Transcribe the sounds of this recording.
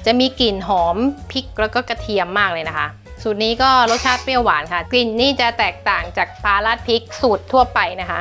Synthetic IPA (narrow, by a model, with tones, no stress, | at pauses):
t͡ɕa˨˩miː˧ki˨˩nɦɔː˩˦mpʰi˦˥k̚lɛː˦˥wkɔː˥˩ka˧t̪ʰi˧əmːaː˥˩k̚lɤː˧jna˦˥kʰa˦˥ʔ | su˨˩t̪̚niː˦˥kɔː˥˩ɾo˦˥t̪̚t͡ɕʰaː˥˩t̪̚pi˥˩waː˩˦nkʰa˦˥˩ki˨˩nːiː˥˩t͡ɕa˨˩t̪ɛː˨˩k̚t̪aː˨˩ŋt͡ɕaː˨˩k̚pʰaː˧laː˦˥˩t̪̚pʰi˦˥k̚su˨˩t̪ʰːu˥˩ɐpa˧jna˦˥kʰa˦˥ʔ